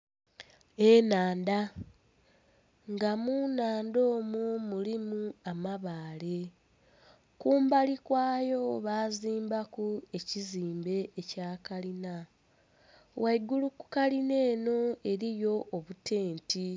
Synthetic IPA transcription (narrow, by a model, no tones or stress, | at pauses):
e̞naːnda | ŋɡamuːnaːndo̞ːmumulimuamaβaːle̞ | kuːmbalikwaːjo̞βaːziːmbakue̞ciziːmbe̞ːcaːkalina | wʔaiɡuluku̥kaline̞ːno̞e̞ɾijo̞ʔːβute̞ːnti